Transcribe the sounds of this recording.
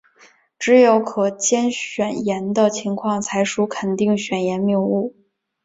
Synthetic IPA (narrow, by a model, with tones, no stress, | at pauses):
ʈ͡ʂɻ̩˧˥jo˧˥ʊkʰɤ˨˩t͡ɕjɛ˥nɕɥɛ˨˩njɛ˧˥nd̪ə˨t͡ɕʰi˧˥ŋkʰwɑ˥˩ŋt͡sʰa˧˥ɪʂu˧˥kʰə˨˩nt̪i˥˩ŋɕɥɛ˨˩njɛ˧˥nmi˥˧ŋu˥˩